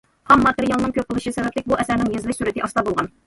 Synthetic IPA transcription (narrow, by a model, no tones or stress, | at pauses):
qɑmːɑt̪eɾijɑlˠnɨŋkʲʰøp̚qʊlˠɨʃisɛbɛplɪkʲbuʔɛsæɾnɪŋjezɪlˠɪkʲsuɾɪt̪ɪʔɑst̪ɑbolˠʁɑn